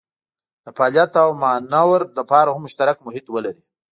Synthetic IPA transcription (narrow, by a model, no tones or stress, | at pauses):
d̪̥əpaljat̪awmanawɾd̪əpɑɾahʊmːʊʃt̪aɾakmʊhɪt̪wəlaɾi